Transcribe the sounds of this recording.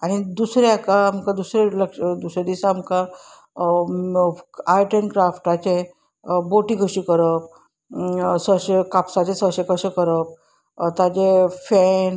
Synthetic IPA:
aɽ̃id̪usɾjakaːm̤kad̪usɾeləkʂd̪usɾed̪isamka | ajʈənkɾafʈat͡ɕe | boʈikəɕikəɾəp̚ | səɕekapsat͡ɕesəɕekəɕekəɾəp̚ | t̪ad͡ʑefɛn

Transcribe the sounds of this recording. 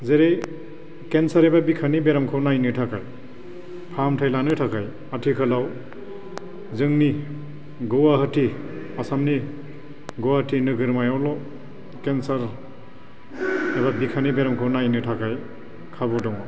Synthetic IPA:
zeɾej | kensaɾebabikʰanibeɾamkʰɯwnajnɯtʰakʰaj | pʰamtʰajlanɯtʰakʰaj | atʰikʰalaw | zɯŋni | ɡɔwaɦɯtʰi | asamni | ɡɔwahtʰinɯɡɯɾmajawlɔ | kensaɾ | ebabikʰanibeɾɔmkʰɯwnajnɯtʰakʰaj | kʰabɔdɔŋɔ

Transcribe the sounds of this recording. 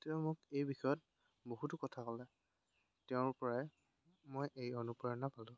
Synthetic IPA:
tɛʊmʊkejbixɔjɔt̚ | boɦutʊkɔtʰakɔlɛ | tɛʊ̃ɹpɔɹɛ | mojʔejonupɔjɔnːapalʊ̃

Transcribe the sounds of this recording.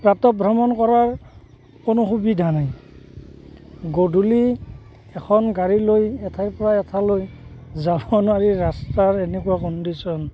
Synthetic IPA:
pɹatɔbʱɹɔmɔnkɔɹaɹ | konʊxubidʱanaj | ɡodʱuli | ɛkʰɔnɡaɹilojɛtʰaɹpɔɹaɛtʰalojzabɔnaɹiɹastaɹɛnɛkuakɔndisɔn

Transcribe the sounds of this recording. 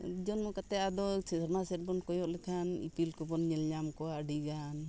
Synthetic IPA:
d͡ʒɔnmɔkat̪ɛʔad̪ɔɛɾmasɛt̪̚bɔnkɔjɔʔlɛkʰanḭpilkɔbɔnɲɛlɲamkɔwaɖiɡan

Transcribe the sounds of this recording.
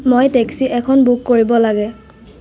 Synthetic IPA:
mojteksiʔɛkʰɔnbukːoɹibɔlaɡɛ

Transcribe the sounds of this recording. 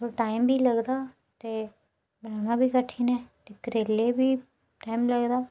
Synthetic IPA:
oʈaːɪmbʱiːləɡd̪aː | t̪eː | bɾaːnaːbʱiːkəʈʰːiːnɛːt̪ekəɾeːleːbiː | ʈaːimləɡd̪aː

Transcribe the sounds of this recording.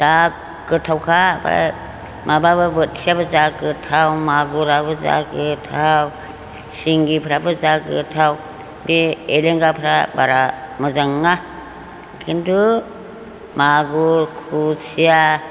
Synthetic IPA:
d̥akː | ɯtʰawkʰaba̰ | mababɯbɯt̚sijabazakɯtʰawmaɡuɾabɯza̰kɯtʰaw | siŋɡipʰɾabɯzakɯtʰaw | beeleŋɡapʰɾabaɾamazaŋːa | kʰintu | maɡuɾkʰusija

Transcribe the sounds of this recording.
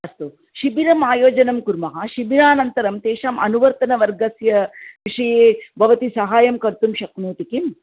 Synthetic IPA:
ɐst̪u | ʃibiɾɐmaːjoːd͡ʒɐnɐmkuɾmɐɦɐʃibiɾaːnɐnt̪ɐɾɐmt̪eːʃaːmʔɐnuʋɐɾt̪ɐnɐʋɐɾɡɐsjɐʋiʂɐjeːbʱɐʋɐt̪isɐɦaːjɐmkɐɾt̪umʃɐknuːt̪ikim

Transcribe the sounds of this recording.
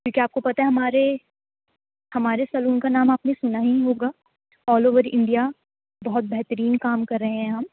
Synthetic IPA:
kjõːkiaːp̚kopɐt̪aɦeɦɐmaːɾe | hɐmaːɾesɐluːnkanaːmaːpnesʊnaɦiɦoːɡaː | ɔːloːʋəɾɪ̰̃ɳɖija | bɐɦʊt̪̚bɛɦt̪əɾiːnkaːmkɐɾːɐɦẽɦɛ̃ɦɐm

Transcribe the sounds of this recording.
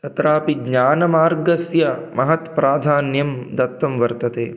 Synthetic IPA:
t̪ɐt̪ɾaːpiɡɲaːnɐmaːɾɡɐsjɐmɐɦɐt̪pɾaːd̪ʱaːnjɐmd̪ɐt̪ːɐmʋɐɾt̪ɐt̪ḛː

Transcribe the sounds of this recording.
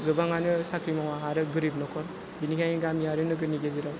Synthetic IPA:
ɡɯbaŋanɯsakʰɾimawaɦaɾɯɡɯɾibnɔkʰɔɾ | binikʰajŋiɡamijaɾɯnɯɡɯniɡeziɾɔ

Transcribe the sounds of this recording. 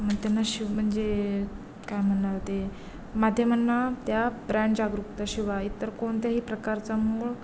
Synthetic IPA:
m̤ət̪janːaɕim̤əɳd͡ze | kajm̤əɳlaɾt̪e | mad̪ʱjəmənːat̪jabɾãɳʈd͡ʑaɡɾukt̪aɕiʋait̪ːəɾkoɳt̪jaɦiːpɾəkaɾt͡samuːɭ

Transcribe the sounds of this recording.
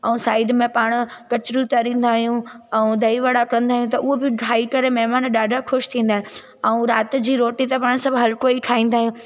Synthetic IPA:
ɛũsaːɪɖmẽpaːɽ̃ʊ̆kɐt͡ɕɾut̪ɐɾĩːn̆d̪aːɦjũɛ̃ũd̪ʱɐiʋɐɽakɐə̃nd̪aːɦjũt̪ɐʊɦobɪɖɾaːikɐɾemɛɦmaːnɗaːɖʱəxʊʃt̪ʰĩːn̆d̪aɦɪ̃ | ɛũɾaːt̪d͡ʑiːɾoːʈit̪ɐpaːɽ̃sɐbʱɦɐlkoikʰaːĩːn̆d̪aːɦjũ

